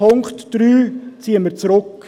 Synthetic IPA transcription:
ʊŋkχtd̥ɾyːt͡siəməɾt͡sɾʊk

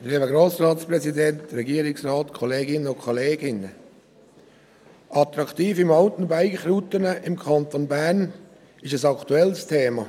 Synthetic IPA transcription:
liːbəɡɾoːsɾɑːtsprɛsidɛntɾɛɡiəɾɪksraːtkʰɔleːɡɪnəʊkʰoleːɡɪnə | ʔɑt̪ɾɑktiːfɪmɑltn̩baɪɡχɾutənəʔɪmkʰɑnt̪onbærn | ɪʃəsɑktuɛlstʰeːmɑ

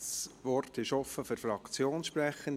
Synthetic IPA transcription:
sʋɔɾtɪʃɔfəfʏɾfɾɑkt͡sjoːnsʃpɾɛχən

